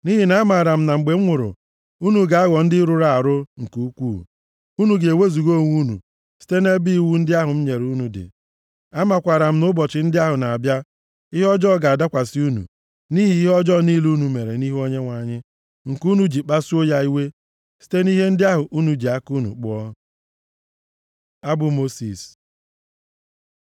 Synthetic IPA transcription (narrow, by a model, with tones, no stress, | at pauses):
ni˦ɦi˨na˨˦ma˨ɾa˨m̩˦na˨ŋ͡m̩˨ɡ͡be˨m̩˦ŋʷʊ˨ɾʊ̰˨ | u˦nu˨ɡa˨a˦ɣɔ˨n̩˦dɪ˦ɾʊ˨ɾa˦˨a˨ɾʊ˦ŋ̩˨ku˦kʷuː˦˨ | u˦nu˨ɡe˨we˦zu˨ɡo˦˨ŋʷu˦nṵ˨ | si̥˦te˦ne˦bi˦i˨wu˦n̩˦dɪ˦a˦ɦʊ˨m̩˦ɲe˨ɾu˦nu˨dɪ̰˨ | a˦ma˨kʷa˨ɾa˨m̩˦nʊ˦bɔ˨t͡ʃɪ˨˦n̩˦dɪ˦a˦ɦʊ˨na˨a˨bja˦ | i˦ɦɔ˦d͡ʒɔ˦˨ɡa˨da˦kʷa˨sɪ˦u˦nṵ˨ | ni˦ɦi˨˦i˦ɦɔ˦d͡ʒɔ˦ni˦lu˦nu˨me˨ɾe˨ni˦ɦo˦ɲe˦ŋʷa˨ɲɪ˦ | ŋ̩˨ku˦nu˨d͡ʒi˨k͡pa˦su˦o˦ja˦i˦we˦ | si̥˦te˦ni˦ɦe˦n̩˦dɪ˦a˦ɦʊ˨ʔu˦nu˨d͡ʒi˨a˦ku˦nṵ˨k͡pʊ˦ɔ˦ | a˦bʊ˨mo˦si˨s